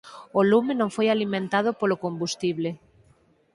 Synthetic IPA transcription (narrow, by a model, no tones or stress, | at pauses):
olumenõŋfojalimẽnt̪að̞opolokombust̪iβle